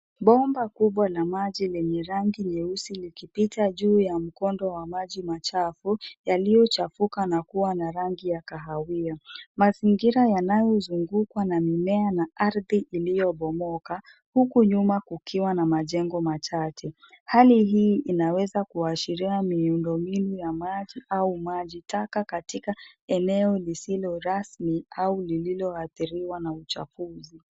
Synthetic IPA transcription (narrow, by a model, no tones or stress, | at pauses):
ɓɔmbakuɓwanamaʄilɛɲɛɾaŋɡiɲɛusilikipitaʄuːjam̩kɔndɔwamaʄimat͡ʃafujalijɔt͡ʃafukanakuwanaɾaŋɡijakaɦawiamaziŋɡiɾajanajɔzuŋɡukwanamimɛanaʔaɾðiʔilijɔɓɔmɔka | hukuɲumakukiwanamaʄɛŋɡɔmat͡ʃat͡ʃɛ | haliɦiːʔinawɛzakuaʃiɾiamiundɔminujamaʄiʔaumaʄitakakatikaɛnɛɔlisilɔɾasmiaulililɔaθiɾiwanaut͡ʃa̰fuzi